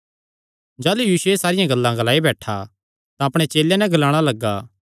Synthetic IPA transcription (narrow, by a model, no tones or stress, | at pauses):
d͡ʒaːlujiːʃuesaːɾɪjãɡɐlːãɡɐlaːibɛːʈʰa | t̪ãɐpɽ̃et͡ʃeːlenɛɡɐlaːɽ̃alɐɡːa